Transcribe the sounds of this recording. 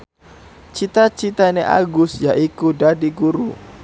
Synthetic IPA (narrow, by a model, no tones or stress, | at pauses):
t͡ʃit̪at͡ʃit̪aneʔa̰ɡʊsjaʔikudadiɡuɾṵ